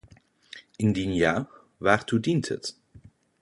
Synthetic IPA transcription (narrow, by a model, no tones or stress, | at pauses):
ʔɪndinjaː | ʋaːɹtudintɦə̰t